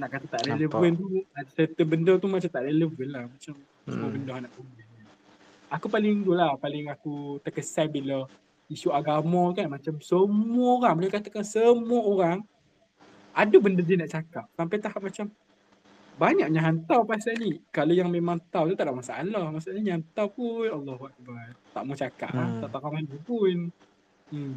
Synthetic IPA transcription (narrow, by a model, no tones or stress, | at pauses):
naʔkat̪at̪aʔɾɛləvənt̪uadsərt̪əbəndərt̪umat͡ʃamt̪aʔreləvənlahmat͡ʃam | ssəmubəndəhanaʔbəmbina | akupalɪŋndulahpalɪŋakut̪ərkəsalbilə | isuaɡamɔkanmat͡ʃamsəmuəoɾaŋbəlaɛjkat̪akansəmuaoɾaŋ | adubəndədiənaʔt͡ʃakap̚sampajt̪ahap̚mat͡ʃam | baɲaʔɲaɦant̪awpasanikalojaŋmemaŋt̪awt̪ut̪aʔdaʔmasa̰ʔa̰lahmasaʔɲaɲaɦant̪awpunalːɑhuak̚bart̪aʔmut͡ʃaka̰ʔlat̪aʔt̪akamanupun̩ | m